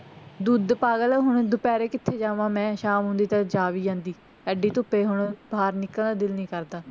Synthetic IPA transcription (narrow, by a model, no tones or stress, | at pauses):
d̪uːd̪paːɡəlɦʊɳd̪ʊpɛːɾeːkɪt̪ʰːeːd͡ʒaːʋãːmɛ̃ːʃaːmɦʊ̃nd̪iːt̪əd͡ʒaːʋiːd͡ʒãːnd̪iː | ɛːɖiːt̪ʊpːeːɦʊɳbʱaːɾnɪkːəld̪aːd̪ɪlnĩːkəɾd̪aː